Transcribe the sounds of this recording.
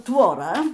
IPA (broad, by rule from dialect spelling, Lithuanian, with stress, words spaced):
tʋoːˈrɐ